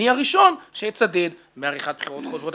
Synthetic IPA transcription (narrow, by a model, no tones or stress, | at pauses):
iaʁiʃo̞nʃejet͡sad̪ed̪ | meaʁiχat̪̚bpχiʁot̪χozʁot̪